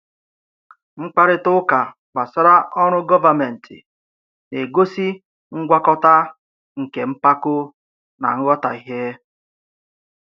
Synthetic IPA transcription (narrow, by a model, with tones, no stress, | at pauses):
ŋ͡m̩˦k͡pa˦ɾɪ˦tʊ˦ka˨ | k͡pa˨sɔ˦ɾa˦ʔɔ˦ɾʊ˦ɡɔ˦va˨me˨n̩˨tʰɪ̰˨ | ne˨ɡo˦si˦ | ŋ̩˦ɡʷa˦kɔ˦ta˦ | ŋ̩˨ke˨m̩˦pa˦kʊ˦ | na̰˨ŋ̩˦ɣɔ˦ta˨i˨ɦe˦